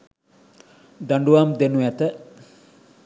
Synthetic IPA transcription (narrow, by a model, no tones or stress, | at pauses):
d̪aɳɖuʋaːmd̪enuɛt̪ə